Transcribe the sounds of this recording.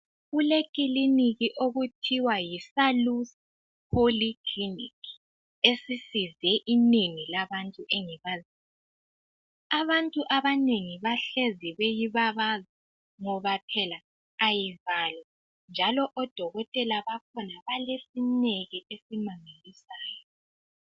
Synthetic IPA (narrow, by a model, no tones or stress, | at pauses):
ulekʼiliniɣiʔoɣutʰiwajisalus | pʰolikʰlinḭki̥ | esisizɛʔineŋilaβantʼuʔɛŋɛβaziːj | aβantʼuʔaβaneŋiβaɬeziβejiβaβaza | ŋɔβapʰɛlaː | jivaːlɔ | nd͡ʒʱalɔʔɔd̥ʱɔɣɔtʼɛlaβakʰɔnaβalesineɣiʔesimaŋelisaːjɔ